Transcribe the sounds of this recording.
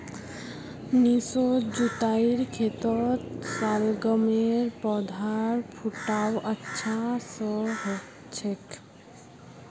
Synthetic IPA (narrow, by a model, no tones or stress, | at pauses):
nisod͡ʑut̪ajiɾkʰet̪ot̪salɡɔmeɾpɔd̪ʱaɾpʰuʈawətːɕʰasɔɦo | t͡ɕʰek